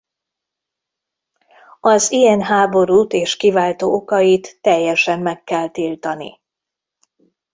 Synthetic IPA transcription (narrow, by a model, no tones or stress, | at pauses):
ɒzijɛnɦaːbo̞ɾuːt̪eːʃkivaːlt̪oːokɒjit̪ːɛjːɛʃɛmːɛkːɛlt̪ilt̪ɒnḭ